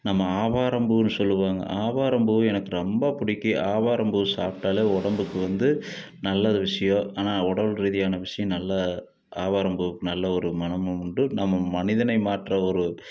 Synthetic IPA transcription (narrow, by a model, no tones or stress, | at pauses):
nɐmːɐaːʋaːɾɐmbɯnːɯsɔlːɯʋaːŋɡɐ̰ʔaːʋaːɾɐmbɯɯɛnɐkːɯɾɔmbapʊɽɪkːiʔaːʋaːɾɐmbɯsaːp̚ʈaːleːɔɽɐmbɯkːɯʋɐnd̪ɯ | nɐlːɐðɯʋɪʂɐjõːaːnaːɔɽɐlɾiðɪjaːnɐʋɪʂɐjɐ̃nɐlːɐ | aːʋaːɾɐmbɯʋɯkːɯnɐlːɐɔɾɯmɐnɐmɯʊɳɖɯnɐmːɐmɐnɪðɐnɐɪmaːʈɾɐɔɾɯ